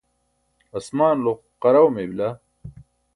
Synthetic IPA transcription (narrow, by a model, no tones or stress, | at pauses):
ɐsmaːnloq | qɐɾɐwmebla